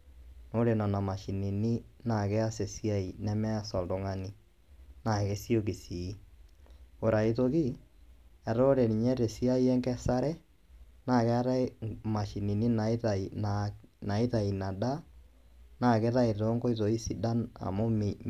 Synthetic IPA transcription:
no˦ɾe˨na˨na˨ma˨ʃi˨ni˨ni˦na˨kɛ˦a˦se˨si˦a˦i˨nɛ˦mɛ˦a˦sɔ˨ldo˨ŋa˦ni˦ | na˨ke˦si˦o˦ki˨si˨i˦ | o˨ɾa˨i˨to˨ki˦ | ɛ˨ɾo˦ɾe˨ni˨ɲɛ˦ɾe˨si˦a˦i˦ɛ˦ŋkɛ˦sa˦ɾɛ˦ | na˨kɛ˦a˦ɾa˦ma˨ʃi˨ni˨ni˦na˨˦ta˨i˨nana˨i˦ta˨i˨na˨da˦ | na˨ke˦ta˦e˨to˦ŋɡo˦i˦to˨i˦si˨da˦na̰˨mo˦m

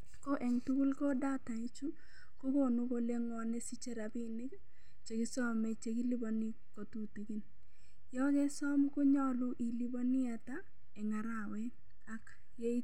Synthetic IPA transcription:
ko˦ʔɛ˨ŋtu˦ku˦lko˦da˦ta˨i˦t͡ʃu˦ | ko˦ko˦˨nu˦ko˨˦le˦ŋɔ˨nɛ˦si˦t͡ʃe˦ɾa˨bɪ˦nɪ˦k | t͡ʃe˨ki˦sɔ˦me˨t͡ʃe˨ki˦li˦bo˨ni˦ | ko˨tu˦ti˨ki˦n | jɔ˦kɛ˦sɔ˦mko˦ɲɔ˦lʊ˦ʔi˨li˦bo˦nɪ˦a˨ta˦ | ɛ˨ŋa˨ɾa˦˨wɛ˦ | a˦k | je˦i˦

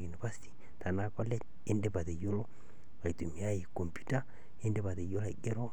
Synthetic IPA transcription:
ju˨ni˨fa˦si̥ti̥˦ | ta˨na˦kɔ˦lɛ˦ | e˦nde˦ba˨te˨jo˦lo˦ | ka˨i˨tu˨mi˨a˦je˨ko˨mpu˦ta˦ | e˦nde˦βa˨ðe˨jo˦la˨ɡe˦ɾo˦

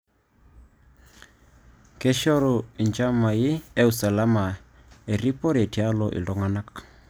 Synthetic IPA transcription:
kɛ˦ʃɔ˦ɾɔ˨i˨nt͡ʃa˦ma˨ji˦e˦u˨sa˨la˦ma˨ | e˨ri˦pɔ˦ɾe˨ti˨a˦lɔ˨ʔḭ˨lɔ˦ŋa˨na˦k

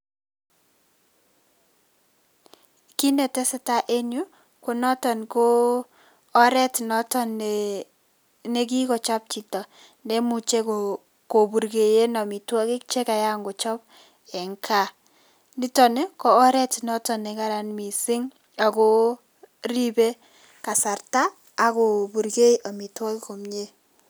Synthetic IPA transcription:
ki˦nɛ˨tɛ˦sɛ˦ta˦ʔe˦nu˦ | ko˨nɔ˦tɔ˨nkoː˦ | ɾɛ˦tnɔ˦tɔ˦n | ne˦k̬i˦kɔ˨t͡ʃɔ˦p̚t͡ʃi˨tɔ˨ | nɛ˦mu˨t͡ʃe˦k | ko˨bu˨ɾɡe˨je˦nɔ˨mi˨twɔ˦kɪ˦k̚t͡ʃe˦ka˨ja˦ŋɡo˨t͡ʃɔ˦p̚ | ɛ˨ŋkʰa˦˨ | ni˦tɔ˨ne˦kɔː˦ɾɛ˦tnɔ˦tɔ˨ne˨ka˦ɾa˨nmi˨sɪ˦ŋ | a˨ko˦ | ɾi˦be˦ | ka˨sa˨ɾtaː˦ | ko˨bu˨ɾɡe˦jʔa˨mi˨twɔ˦ki˦ko˨mɲe˦

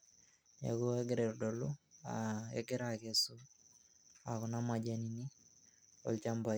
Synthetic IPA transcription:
ja̰˨ku˦a˦ɡɪ˦ɾe˨ɾdɔ˨lua̰kɛ̰˦ɡɛ˦ɾakesu | a˨kʊ˨na˦ma˨d͡ʒanini˦ | ɔ̰˨lt͡ʃa˦mba˨

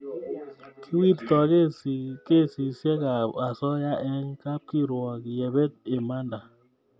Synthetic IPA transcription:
kʰi˦wi˦ttɔ˨ke˦ske˦˨si˨se˦ka˨a˨sɔ˦ja˦ʔɛ˦ŋka˦p̚ki˦ɾwɔ˨kje˨be˦t̚e˨ma˦nda˨

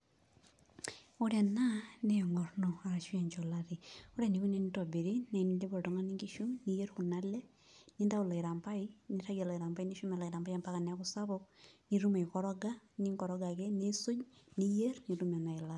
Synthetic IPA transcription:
o˦ɾa˨na˦ne˦jɔ˨ŋɔ˨rnɔ˨a˨ɾa˨ʃwa˨ɲd͡ʒɔ˨la˦ɾi˨o˦ɾa˨ni˨ku˦nɛ˦ni˦tɔ˨be˨ɾi˦na˨i˨ni˨de˦bɔ˨tɔ˨ŋa˦ni˦ŋɡi˦ʃu˦ni˦je˦ɾku˨na˦lɛ˦ | ni˦nda˦ʊ˦˨la˨i˨ɾa˨mpa˦ini˦ta˦ɡa˨lɔ˨i˨ɾa˨mba˦i˦ni˦ʃu˦mɛ˨la˨i˨ɾa˨mba˦ja˦mpa˦ka˨na˦kʊ˦sa˦βɔkni˨ɾu˦ma˨jkɔɾɔ˦ɡa˦ni˦ŋɡɔ˨ɾɔ˦ɡa˨kɛ˦ne˦sʊ˦d͡ʒnije˦rni˨ɾumɛ˨na˨ɪ˨laɾ

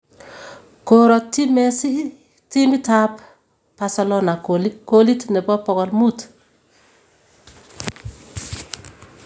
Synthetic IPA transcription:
koɾɔtːi˦mɛ˨si˦ | ti˦mi˦ta˦p | pasalɔna˨lkoli˦tnɛ˨bɔ˦pɔ˨ɡɔ˨lmu˦t

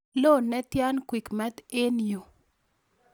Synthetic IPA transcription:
lo˦˨nɛ˦t̪ja˦nkwi˨kma˦d̪e˦njo˨

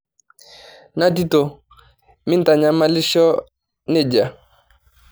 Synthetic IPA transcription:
na˦ti˦to˨ | mɪ˦n̩˦ta˨ɲa˨ma˦lɪ˦ʃɔ˦ | ne˦˨d͡ʒa˨

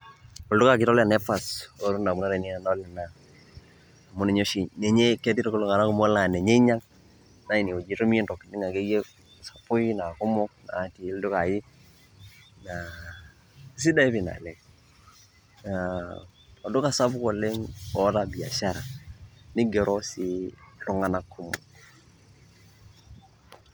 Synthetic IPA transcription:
ɔ˨ldʊ˦ka˨kɪ˦tɔ˦la˨nɛ˦fa˨so˨ɾu˦nda˨mu˦na˦ɾe˨ni˦a˦na˦lɛ˨na˨ | a˨mʊ˦nɛ˨ɲo˦ʃi˨nɛ˨ɲe˦kɛ˦ti˦ɾo˦ko˦lo˦˨ŋa˨na˦ku˦mɔ˦la˨ne˨ɲe˦i˦ɲa˦ŋ | na˦i˨ni˨o˨d͡ʒi˨˦to˦mi˦e˦ndɔ˨kːi˨ni˦ŋa˨ke˦je˦ | sa˨pʊ˦i˦na˨kʊ˦mɔ˦k̚na̰˨˦ti˨˦ldu˦ka˨jɪ˦ | na˨ | si˦da˦i˦pi˨na̰˨lɛ˨ŋ | a | a˨do˦ka˨sa˦bko˨le˦ŋɔ˦ɾa˦bi˨a̰˨ʃa˦ɾa˨nɪ˦ɡe˨ɾʔɔ˦si˦lʊ˨˦ŋa˨na˦kʰːʊ˦mɔ̰˨

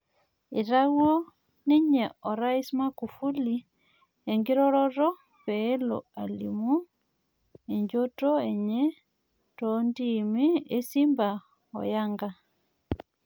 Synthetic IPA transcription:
i˨ɾa˦ɣwo˦ | ni˦ɲɛ˨ɔ˨ɾa˦i˦sma˦ku˨fu˦li˨ | e˨ŋɡi˦ɾɔ˦ɾɔ˦ɾɔ˦ | pɛː˦lɔ̰˨a˨lḭmu˦ | e˨ɲd͡ʒo˦tɔ˦ɛ˨ɲɛ˦ | tɔ˦ndi˦mi˦e˦si˦mba˨ | ɔ̰˨ja˦ŋɡa˦

